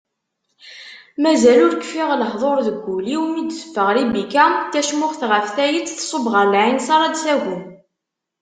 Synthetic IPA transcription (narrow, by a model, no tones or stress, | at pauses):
mæzælʊɾkːfiʁləħðˤoɾðəɡʷːuliwmid̪sə̥fːəʁɾibikæt̪ːæʃmʊχθʁəfθæjit͡sːθsˤobʁəɾlʕinsɑɾˤɑd̪sæʝu